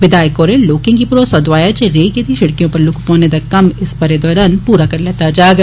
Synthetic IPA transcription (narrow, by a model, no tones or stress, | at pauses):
ʋɪd̪aːɪkɔːɾẽloːkɪ̃ŋɡipɾoːsɐd̪ʋaːjat͡ʃɾeːked̪iʃɐɽkijõpɐɾlʊkʰpɔ̃ːned̪akɐmɪspɐɾed̪ɔːɾaːnpuːɾakɐɾleːt̪ad͡ʒaːɡ